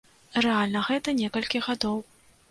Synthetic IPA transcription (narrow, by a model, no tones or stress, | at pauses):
rɛalʲnɐɣɛt̪ɐnʲɛkɐlʲkʲiɣad̪ɔw